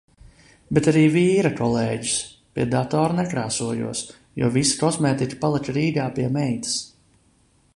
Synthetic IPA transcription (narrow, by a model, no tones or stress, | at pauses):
bet̪aɾiːviːɾakɔlˠeːɟi̥s | piɛd̪at̪ɔːɾunɛkɾaːsuɔjṵɔs | jṵːvisi̥kɔsmɛːt̪ikʲi̥palˠikɾiːɡ̪aːpiɛmɛjt̪ḁs